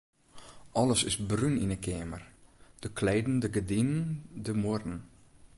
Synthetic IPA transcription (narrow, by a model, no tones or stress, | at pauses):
ʔɔləsɪsbryninəkʰeːmərd̥əkʰleːdn̩dəɡədinəndəmʊrn̩